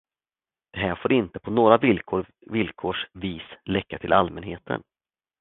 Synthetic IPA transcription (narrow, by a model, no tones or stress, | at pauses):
d̪̥ɛɦæːɾfoːɾɪnt̪əpʰɔnoːɾavɪlkʰoːɾ | vɪlkʰoːʂviːslɛkːat̪ʰɪlʔalmɛnɦeːt̪ʰə̰n